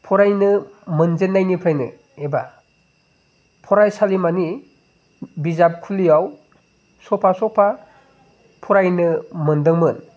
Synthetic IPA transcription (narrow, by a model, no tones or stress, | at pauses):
pʰɔɾajnɯmɯnzenːajnipʰajnɯ̰ | eba̰ | pʰɔɾajsalimani | bizap̚kʰulijaw | sɔpʰasɔpʰa | pʰɔɾajnɯmɯndɯŋmɯn